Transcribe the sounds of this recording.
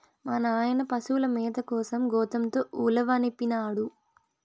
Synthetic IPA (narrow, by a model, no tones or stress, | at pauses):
mɐnɐaːjɐnɐpɐsulɐmiːd̪ɐkɔːsɐmɡɔːt̪ɐmt̪oːʔuːlɐʋaːnipːinaːɽu